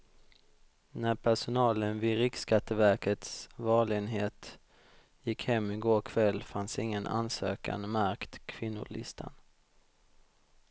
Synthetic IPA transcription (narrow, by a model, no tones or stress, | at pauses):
næɾpʰæʂʊnɑːlənvɪɾɪkskat̪ʰːəvæɾkət̪svɑːɭɪɡənɦeːt̪ | jɪkhɛmːɪɡoːkʰvɛlːfansɪŋːənʔa̰nsø̰ːka̰nmæɾkt̪kʰvɪnːʊ̰ɭɪ̰st̪ʰa̰n